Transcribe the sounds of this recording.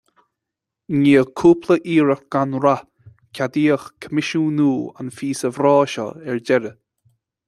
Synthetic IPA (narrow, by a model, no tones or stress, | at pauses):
ɲiːəkʰuːpʰləʔiːɾəxɡ̥anɾa | kʲʰad̪iːəxkʰəmɪʃuːnuːa̰nfiːsəvɾɑːʃɔ̰ɛɹd͡ʒɛɾə